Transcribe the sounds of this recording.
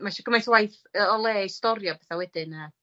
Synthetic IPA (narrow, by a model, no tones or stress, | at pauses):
maʃɔɡ̥əmajθwajθ | əɔlˠeːistɔɾjɔbɛθawɛd̥ɨna